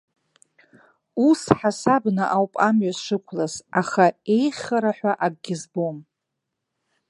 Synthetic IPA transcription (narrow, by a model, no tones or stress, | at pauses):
usħasabnɨʔawpʼamɥazʂɨkʷʰlazaχae̞jχʲaɾaħʷᶣaʔaɡ̚ʼɡʲɪzbom